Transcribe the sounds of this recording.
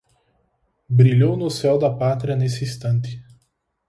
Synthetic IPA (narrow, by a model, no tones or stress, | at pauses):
bɾilʲownʊsɛwd̪ɐpat̪ɾʲiɐnesɪist̪ɐ̃nt̪ɪ̥